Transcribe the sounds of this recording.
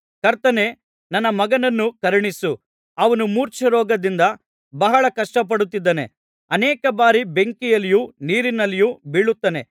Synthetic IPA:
kɐɾt̪ɐne̞ | nɐnːɐmɐɡɐnɐnːukɐɾɐɳisu | ɐʋɐnumuːɾt͡ʃɐɾɔːɡɐd̪ind̪ɐ | bɐɦɐɭɐkɐʂʈɐp̬ɐɽut̪ːid̪ːɐne̞̰ | ɐnɛːkɐbaːɾibe̞ŋkijɐlijuniːɾinɐlːijubiɭut̪ːɐne̞

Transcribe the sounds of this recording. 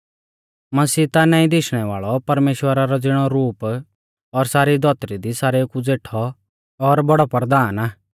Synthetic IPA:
mɐsiːt̪anaːĩd̪ɪʃɽ̃ɛʋaːɭɔpɐɾmeːʃwəɾaɾɔd͡zɪɽ̃ɔɾuːp | ɔɾsaːɾid̪ʱɔːt̪ɾid̪isaːɾekud͡zeːʈʰɔ | ɔɾbɔɽɔpɾəd̪aːnaː

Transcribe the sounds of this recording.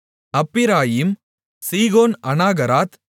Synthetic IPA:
ɐpːɪɾaːjim | siːɣoːnɐnaːɣɐɾaːt̪

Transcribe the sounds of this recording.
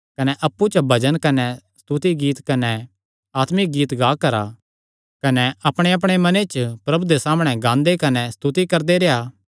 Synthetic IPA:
kɐnɛʔɐpːut͡ʃbʱɐd͡ʒənkɐnɛst̪ut̪iɡiːt̪kɐnɛ | aːt̪mɪk̚ɡiːt̪ɡaːkɐɾa̰ | kɐnɛɐpɽ̃eɐp̬ɽ̃emɐnet͡ʃpɾɐbʱud̪esaːmɽ̃ɛɡãːnd̪ekɐnɛst̪ut̪ikɐɾd̪eɾeɦaː

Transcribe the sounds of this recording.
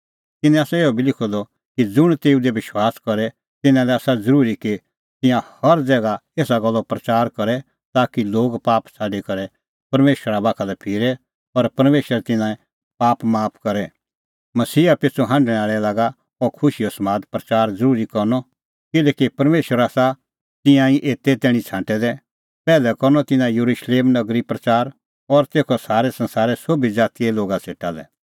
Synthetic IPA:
t̪ɪnɛ̃aːsɛeːɔbʱilɪkʰɔd̪ɔ | kid͡zʊɽ̃t̪eːud̪eʋɪʃwaːskɐɾɛ | t̪ɪnãlɛaːsad͡zɐɾuːɾiki | t̪ɪ̃jãhɐɾd͡zɛːɡaeːsaɡɐlːɔpɾɐt͡ʃaːɾkɐɾɛ | t̪aːkiloːɡpaːpt͡sʰaːɖikɐɾɛ | pɐɾmeːʃwəɾabaːkʰalɛpʰɪːɾɛ | ɔɾpɐɾmeːʃəɾɛt̪ɪ̃nãːɛ̃ | paːpmaːpʰkɐɾɛ | mɐsiːapɪt͡sʰoɦãɳɖɽ̃ɛ̃aːɭɛlaːɡa | ɔkʰʊʃiɔsmaːd̪pɾɐt͡ʃaːɾd͡zɐɾuːɾikɔɾnɔ | kɪlɛːkipɐɾmeːʃəɾasa | t̪ɪ̃jãĩʔeːt̪et̪ɛːɽ̃ĩt͡sʰãːʈɛd̪ɛ | pɛːlɛkɔɾnɔt̪ɪnãjɐɾuʃleːmnɐɡɾipɾɐt͡ʃaːɾ | ɔɾt̪eːkʰɔsaːɾɛsɐ̃nsaːɾɛsobid͡zaːt̪iɛloːɡasʰeːʈalɛ̰

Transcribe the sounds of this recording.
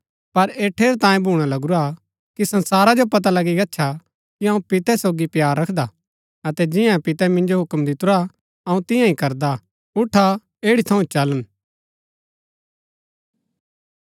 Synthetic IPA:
pɐɾeːʈʰːeːɾt̪ãːjẽbʱuːɽ̃alɐɡuɾa | kisɐ̃nsaːɾad͡ʒopɐt̪̬alɐɡiɡɐtːʃʰa | kiɐ̃ũpɪt̪ɛsoːɡipjaːɾːɐkʰd̪a | ɐt̪ɛd͡ʒɪ̃jãpɪt̪ɛmɪ̃nd͡ʒoɦʊkmd̪ɪt̪ʊɾa | ɐũt̪ɪ̃jãĩkɐɾd̪a | ʊʈʰːa | eːɽit̪ʰɐ̃ũt͡ʃɐlən

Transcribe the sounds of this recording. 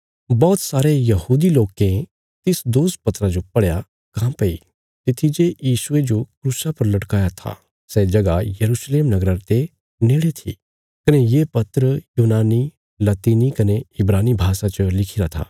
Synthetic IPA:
bɔːt̪saːɾejɐɦuːd̪iloːkẽ | t̪ɪsd̪oːs̚pɐt̪ɾad͡ʒopɐɽja | kãpɐḭ | t̪ɪt̪ʰid͡ʒejiːsʊed͡ʒokɾuːsapɐɾlɐʈkaːjat̪ʰa̰ | sɛd͡ʒɐɡajɐɾusleːmnɐɡɾaɾt̪e | neːɽet̪ʰḭ | kɐnejeːpɐt̪ɾəjuːnaːni | lɐt̪iːnikɐneɪbɾaːnibʱaːsat͡ʃəlɪkʰiɾat̪ʰa̰ː

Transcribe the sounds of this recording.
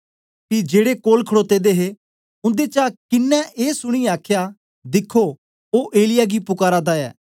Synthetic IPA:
pid͡ʒeːɽekoːlkʰəɽoːt̪eːd̪eɦe | ʊ̃nd̪et͡ʃakɪnːɛeːsʊɽ̃iaːkʰja | d̪ɪkʰːo | oːʔeːlɪjaɡipʊkaːɾad̪aɛ̰ː

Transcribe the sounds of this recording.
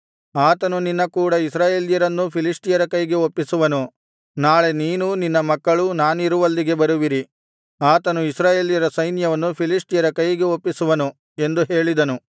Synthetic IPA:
aːt̪ɐnuninːɐkuːɽɐisɾaːje̞ːlijɐɾɐnːupʰilisʈijɐɾɐkɐjɡe̞opːisuʋɐnu | naːɭe̞niːnuninːɐmɐkːɐɭunaːniɾuʋɐlːiɡe̞bɐɾuʋiɾi | aːt̪ɐnuisɾaːje̞ːlijɐɾɐsɐjnjɐʋɐnːupʰilisʈijɐɾɐkɐjiɡe̞opːisuʋɐnu | e̞nd̪uɦe̞ːɭid̪ɐnu

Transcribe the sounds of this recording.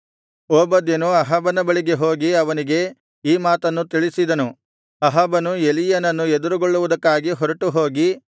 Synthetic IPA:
oːbɐd̪enuɐɦɐbɐnɐbɐɭiɡe̞ɦoːɡiɐʋɐniɡe̞ | iːmaːt̪ɐnːut̪iɭisid̪ɐnu | ɐɦɐbɐnuelijɐnɐnːued̪uɾuɡoɭːuʋud̪ɐkːaːɡiɦɔɾɐʈuɦoːɡi

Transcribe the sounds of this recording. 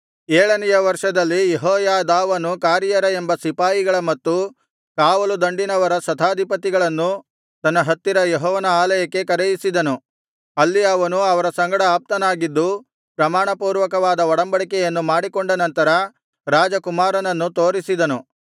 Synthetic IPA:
eːɭɐnɛjɐʋɐɾʂɐd̪ɐlːijeɦɔːjaːd̪aːʋɐnukaːɾjɐɾɐe̞mbɐsipaːjiɡɐɭɐmɐt̪ːu | kaːʋɐlud̪ɐɳɖinɐʋɐɾɐsɐt̪ʰaːd̪ʱipɐt̪iɡɐɭɐnːu | t̪ɐnːɐɦɐt̪ːiɾɐjeɦɔːʋɐnɐaːlɐjɐkːe̞kɐɾɛjisid̪ɐnu | ɐlːijaːʋɐnuɐʋɐɾɐsɐŋɡɐɽɐaːp̚t̪ɐnaːɡid̪ːu | pɾɐmaːɳɐpuːɾʋɐkɐʋaːd̪ɐɔɽɐmbɐɽikɛjɐnːumaːɽikoɳɖɐnɐnt̪ɐɾɐ | ɾaːd͡ʒɐkumaːɾɐnɐnːut̪o̞ːɾisid̪ɐnu

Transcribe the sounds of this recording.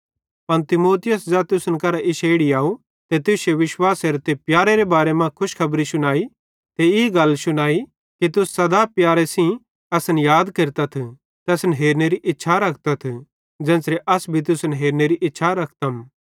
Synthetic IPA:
pɐnt̪ɪmoːt̪ɪjəsd͡ʒat̪ʊsənkɐɾaʔɪʃeːɽiaːu | t̪et̪ʊseʋɪʃwaːseɾt̪epjaːɾeɾebaːɾemãkʰʊʃkʰɐbɾisʊnaːi | t̪eɪːɡɐlsʊnaːi | kit̪̬ʊsːɐd̪apjaːɾesĩ | ɐsənjaːd̪keɾt̪at̪ʰ | t̪ɐsənɦeːɾneɾiʔɪtːʃʰaɾɐkʰt̪at̪ʰ | d͡ʒɛ̃ːsɾeʔɐsbʱit̪̬ʊsənɦeːɾneɾiʔɪtːʃʰaɾɐkʰt̪ɐm

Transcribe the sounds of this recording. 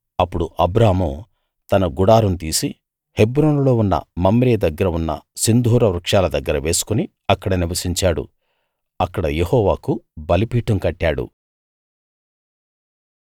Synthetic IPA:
ɐpːuɽuʔɐbɾaːmuː | t̪ɐnɐɡuɽaːɾunt̪iːsi | he̞bɾoːnulo̞ːunːɐ̰mɐmːɾijɐd̪ɐɡːɐɾɐunːɐ̰sind̪ʱuːɾɐʋɾukʂaːlɐd̪ɐɡːɐɾɐʋe̞ːsu̥kuni | ɐkːɐɽɐniʋɐsiɲt͡ʃaːɽṵ | ɐkːɐɽɐjehɔːʋaːkubɐlipiːʈɐmkɐʈːaːɽṵ

